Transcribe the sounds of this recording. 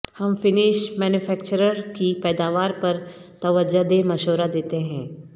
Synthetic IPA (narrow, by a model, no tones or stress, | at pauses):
hɐmfɪnɪʃmɛːnjʊfɛːkt͡ʃəɾəɾkipɛːd̪aːʋaːɾpɐɾt̪ɐʋəd͡ʒad̪emɐʃoːɾad̪eːt̪eɦɛ̃ː